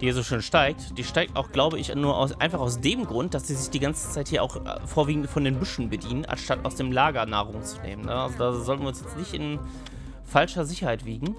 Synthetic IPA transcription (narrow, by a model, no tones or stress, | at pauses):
d̥iːiɐzoːʃøːnʃtaɪk̚td̥iːʃtaɪk̚tʔaʊxɡ̥laʊbəɪçnuːɐʔa̰ʊsʔa̰ɪnfaχaʊs̬d̥eːmɡʁʊnt̚d̥asz̥iːzɪçd̥iːɡant͡sə̥t͡saɪthiːɐʔaʊxfoːɐviːɡŋ̩tfɔndeːnbʏʃn̩bədiːnəna̰nʃtata̰ʊsd̥eːmlaːɡɐna̰ːʁ̞ʊŋt͡su̥nḛːmənəʔalzodaːzɔltnviːʊnsjɛt͡stnɪçtɪ̰n | falʃɐzɪçɐhaɪtv̥iːɡŋ̩